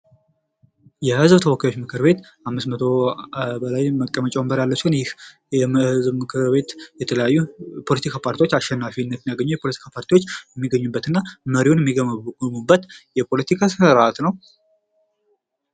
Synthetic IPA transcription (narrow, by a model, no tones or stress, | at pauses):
jɛhɨzbt̪ʰəwɔkːjajo̞t͡ʃːmɨkʰɨɾbe̞t̪ | ʔamːɨsmət̪ʰo̞bəlajməkʼːəmət͡ʃʼɛwmbəɾjalːəsɨnjɪh | jɛmhɨzbmɨkʰɨɾbe̞t̪jɛt̪ʰələjajːupʰo̞lət̪ʰikʰapʰaɾt̪iwot͡ʃːaʃːɛnːafinːət̪njaɡəɲːujɛpʰo̞lət̪ʰi̥kʰapʰaɾt̪ʰiwo̞t͡ʃːjɛmːiɡəɲːubːət̪ɨnːaməɾiwonjɛmːiɡəmmubːət̪jɛpʰo̞lət̪ʰikʰasɨɾat̪nəw